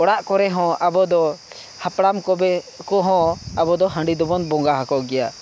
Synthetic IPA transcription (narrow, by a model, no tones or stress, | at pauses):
ɔɽaʔkɔɾɛɦɔ̃abɔd̪ɔ | hapɽamkɔbɛkɔɦɔ̃abɔd̪ɔɦə̃ɳɖid̪ɔbɔnbɔŋɡaɦakɔʔɡɛja